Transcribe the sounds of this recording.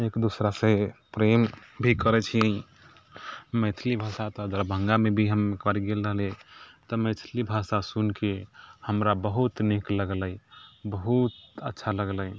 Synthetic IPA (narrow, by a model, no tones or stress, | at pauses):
ekd̪usɾasepɾembʱikəɾɛt͡ʃʰi | met̪ʰlibʱasat̪ɔəd͡ʒəɾbʱə̃ŋɡamebʱiɦəmːekəɾiɡelɾəɦlet̪ɔmət̪ʰlibʱasasunkehəmɾabəɦut̪nekləɡləibəɦut̪ətːʃʰaləɡlə